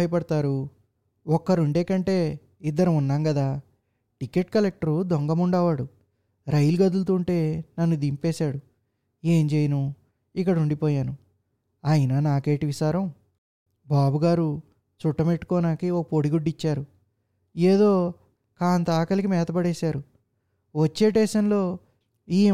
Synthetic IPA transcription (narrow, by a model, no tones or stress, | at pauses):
ɐjɐpɐɽɐt̪aːɾu | ɔkːɐɾuɳɖeːkɐɳʈe̞ː | id̪ːɐɾɐmunːaːŋɡɐd̪aː | ʈikːe̞ʈkɐlek̚ʈɐɾud̪oŋɡɐmuɳɖaːʋaːɽu | ɾɐjilɡɐd̪ult̪uːɳʈe̞ːnɐnːud̪impeːsaːɽu | eːɲd͡ʒejɐnu | ikːɐɽɐuɳɖipɔːjaːnu | ɐjinɐnaːke̞ːʈiʋisaːɾɐm | baːbuɡaːɾu | t͡ʃuʈːɐmeʈːu̥kɔːnaːkiɔkɐpoɽiɡuɖːit͡ʃːaːɾu | eːd̪o̞ː | kaːnt̪aːkɐlikimɛːt̪ɐbɐɽeːsaːɾu | ʋɐt͡ʃːeːʈeːsɐnlo̞ː | iː